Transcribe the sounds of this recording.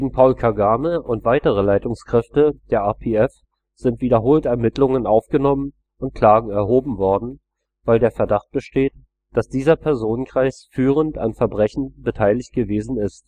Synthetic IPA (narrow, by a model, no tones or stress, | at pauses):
ɡ̥eːɡŋ̩pʰaʊlkʰaɡaːməʔʊntv̥aɪtəʁ̞əlaɪtʊŋskʁ̥ɛftəd̥eːɐʔaːpʰeɛf | z̥ɪntv̥iːdɐɦoːltɛɐmɪtlʊŋənʔaʊfɡ̥ənɔmən | ʊnt̚kʰl̥aːɡŋ̩ɛɐɦoːbm̩vɔɐdn̩ | vaɪldeːɐfɛɐdaχt̚b̥əʃteːt | d̥asd̥iːzɐpʰɛɐzoːnənkʁ̥aɪsfyːʁ̞ənta̰nfɛɐbʁɛçn̩bətʰaɪlɪçt̚ɡ̥əveːzn̩ɪst